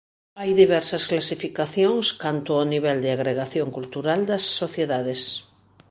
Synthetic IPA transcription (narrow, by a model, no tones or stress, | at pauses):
ajðiβɛɾsɐsklasifikaθjõŋskant̪ʊaniβ̞ɛld̪ɪaɣɾeɣaθjoŋkult̪uɾald̪ɐsːoθjeðaðes